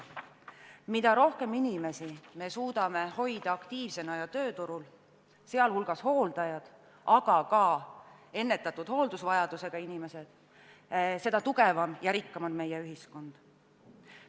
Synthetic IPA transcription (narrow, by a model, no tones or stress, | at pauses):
mid̪ɑɾo̞hke̞minime̞sime̞suːd̪̥ɑme̞ho̞jd̪̥ɑɑkt̪iːvse̞nɑjɑt̪ø̞ːt̪uɾul | se̞ɑlhulɡ̥ɑsho̞ːld̪̥ɑjɑd̪̥ | ʔɑɡ̥ɑkɑ | e̞nːe̞t̪ːˑɑt̪ːˑud̪̥ho̞ːld̪̥usvɑjɑd̪̥use̞ɡ̥ɑinime̞se̞d̪̥ | se̞d̪̥ɑt̪uɡe̞vɑmjɑɾikːɑmɑd̪me̞jeyɦisko̞nd̪̥